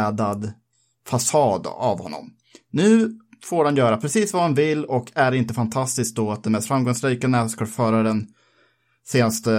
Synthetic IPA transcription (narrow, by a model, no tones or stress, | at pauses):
ɛd̪ad̪ | fasɑːd̪a̰vhɔ̰nːɔ̰m | nʉ̟ː | foːɾhanjœːɾapʰɾɛsiːsvahanvɪlːɔkʰæɾɪnt̪əfant̪ʰast̪ɪsk̚d̪ɔat̪̚d̪ɛnmɛst̪fɾamɡɔŋsɾiːkanɛːt̪skɔfœːɾadɛn | seːnast̪ə